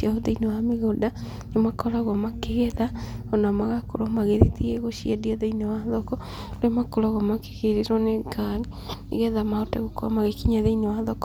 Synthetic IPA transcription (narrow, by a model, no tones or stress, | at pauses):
iaoðeinewameɣoda | nemakɔɾaɣwɔmakeɣɛðaonamaɣakoɾɔmaɣeɾetieɣoʃiadiaðeinewaðɔkɔ | ɾemakoɾaɣwɔmake̥ɣeɾeɾɔneɡali | nḛɣɛðamaotɛɣokoa̰maɣekiɲaðeinewaðɔkɔ̥